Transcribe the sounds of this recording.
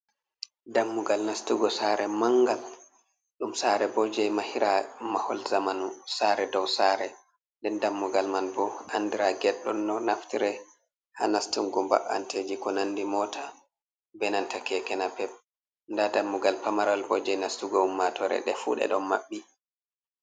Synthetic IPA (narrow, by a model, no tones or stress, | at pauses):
damːuɡalnastuɡɔsaɾɛmaŋɡal | ɗumsaɾɛbɔd͡ʒɛjmahiɾamahɔ̰lzamanusaɾɛdɔwsaɾɛ | ndɛndamːuɡalmanbɔandiɾaɡɛɗːɔnːɔnaftiɾɛ | ha̰nastumɡumba̰ʔa̰nted͡ʒikɔnanːdimɔta | bɛnantakɛkɛnapɛp̚ | ndadamːuɡalpamaɾalbɔd͡ʒɛjnastuɡɔumːatʰɔɾɛ̰ɗɛfṵɗɛ̰ɗɔmmaɓːi